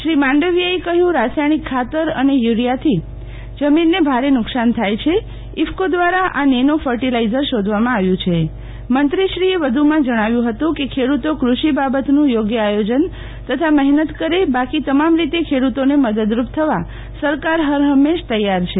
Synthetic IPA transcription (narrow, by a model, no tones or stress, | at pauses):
ʃɾimãɳɖəʋijaekəɦjũɾasajɽ̃ikʰːat̪əɾə̰nejuɾjat̪ʰi | d͡ʒəminːebʱaɾenʊksant̪ʰajt͡ʃʰe | ifkod̪ʋaɾaʔanenofʰəɾʈilaizəɾʃod̪ʱʋamãaʋjũt͡ʃʰe | mənt̪ɾiʃɾieʋəd̪ʱumãd͡ʒəɽ̃aʋjũɦət̪ũkekʰeɽut̪okɾuʃibabət̪nũjoɡjəajod͡ʒən | t̪ət̪ʰamɛɦnət̪kəɾebakit̪əmamɾit̪ekʰeɽut̪oneməd̪əd̪ɾup̚t̪ʰəʋa | səɾkaɾɦəɾɦəmːeʃt̪əjːaɾt͡ʃʰe